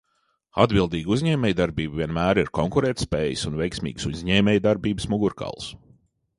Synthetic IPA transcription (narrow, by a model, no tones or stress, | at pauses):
a̰d̪bʲilˠd̪iːɡuzʲɲɛːmʲɛjd̪aɾbiːbvʲiɛnmæːɾiɾkɔŋkuɾeːt̪spɛːjisunvɛjksmʲḭːɡsuzʲɲɛːmʲɛːjd̪aɾbiːbəsmuɡuɾka̰lˠs